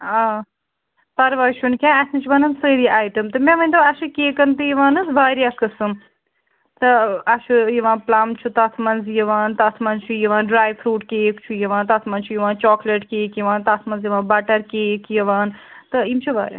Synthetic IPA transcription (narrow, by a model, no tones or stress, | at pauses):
aː | pɐɾʋaːʃʰunkʲãːɐsnɨt͡ʃʰiʋɐnɐnsəːɾiʔaːjʈɐmt̪ɨmẽʋɐnʲt̪ɐɐʃɨkʲeːkɐnt̪ɨjiʋaːnɨsʋaːɾjaːkɨsɨm | t̪ɨɐʃʰujiʋãːplaːmt͡ʃʰut̪ɐt̪ʰmɐnzjiʋaːnt̪ɐt̪ʰmɐnzt͡ʃʰujiʋaːnɖɾaːjfʰɾuːʈkeːkt͡ʃʰujiʋãːnt̪ɐt̪ʰmɐnt͡ʃʰujiʋãːnt͡ʃɔːkleʈkeːkjiʋaːnt̪ɐt̪ʰmɐnzjiʋãːbɐʈɐɾkeːkjɐʋaːnt̪ɨimt͡ʃʰuʋa̰ːɾʲja̰ː